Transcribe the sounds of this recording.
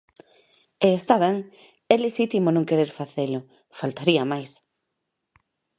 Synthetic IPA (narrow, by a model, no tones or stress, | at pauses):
eːst̪aβɛŋ | ɛleʃit̪imonõŋkeɾeɾfaθelʊ | falt̪aɾiɐmajs